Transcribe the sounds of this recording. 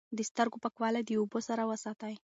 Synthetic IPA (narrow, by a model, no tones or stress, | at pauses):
d̪əst̪əɾɡopakwɑlad̪əubosaɾawəsɑt̪aj